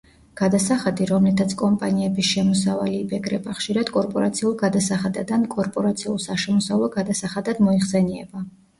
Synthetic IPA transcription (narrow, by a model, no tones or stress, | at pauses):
ɡ̥ad̪asaχad̪iɾɔmlɛt̪ʰat̪sʰkʼɔmpʼaniɛbisʃɛmɔsava̰liːbɛɡɾɛbaχʃiɾad̪̥kʼɔɾpʼɔɾat̪sʰiulˠɡad̪asaχad̪ad̪ankʼɔɾpʼɔɾat̪sʰiulˠsaʃɛmɔsavlˠɔɡad̪asaχad̪ad̪mɔiχsɛniɛ̰ba